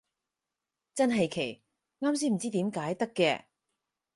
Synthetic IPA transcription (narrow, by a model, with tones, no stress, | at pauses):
t͡sɐ˥nɦɐ˨jkʰe˨˩j | ŋaː˥ms̬iː˥˩m̩˨˩t͡siː˥t̪iː˨˥mkaː˨˥jt̪ɐ˥kːɛ̰ː˧